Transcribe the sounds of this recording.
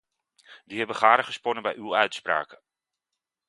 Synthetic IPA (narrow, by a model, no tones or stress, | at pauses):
diɦɛbəχaːɾəχəsponəbɛjʔylœɥtspra̰ːkə